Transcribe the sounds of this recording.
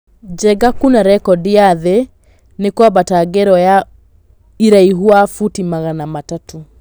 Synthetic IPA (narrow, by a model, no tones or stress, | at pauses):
d͡ʒɛɡakunaɾɛkɔdijaðe | nekwabataɡɛɾɔja | iɾaiɦwafutimaɣanamatato